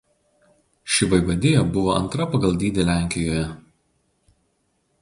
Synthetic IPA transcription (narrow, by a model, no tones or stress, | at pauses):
ʃʲɪʋɐɪʋɐd̪ʲeːjoːbʊʋoːʔɐ̰nt̪ɾɐpɐɡɐlˠd̪ʲiːd̪ʲɪlʲæˑŋʲkʲɪjoːjɛ